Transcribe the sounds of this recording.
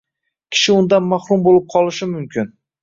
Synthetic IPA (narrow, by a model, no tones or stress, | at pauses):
kʲʰɪ̥ʃɪʊnd̪anmaχɾʊmbolɪp̚qʰɒlˠɪʃɪmʊmkʲʰɪn